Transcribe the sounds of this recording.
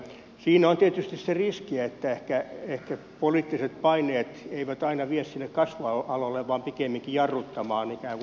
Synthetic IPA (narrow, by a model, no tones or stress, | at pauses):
siːnont̪iet̪yst̪isseriskiæet̪ːæehkæehkæ | poliːt̪ːiset̪̚pɑineːt̪eiʋæt̪ɑinɑʋiessinːekkɑsʋɑɑlolːeʋʋɑːmpikemːiŋkijɑrːut̪ːɑmɑːnikæːŋk